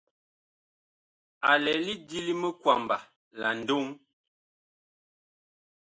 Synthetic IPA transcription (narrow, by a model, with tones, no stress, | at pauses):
a˨lɛ˨˦li˦di˦li˦mə˦kwa˨mba˨ | la˨n̩˨do˦ŋ